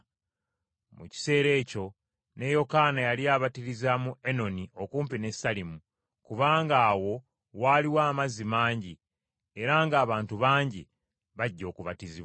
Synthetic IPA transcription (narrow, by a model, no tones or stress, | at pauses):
mṵci̥se̞ːɾe̞ːco̞ | ne̞jo̞kaːnajaliaːβatiɾizamueno̞nio̞kuːmpine̞salimu | kuβaːŋɡaːwo̞ | waːliwaːmazimaːɲɟi | e̞ɾaːŋɡaːβaːntuβaːɲɟi | βaɟːo̞ːkuβatiziβwa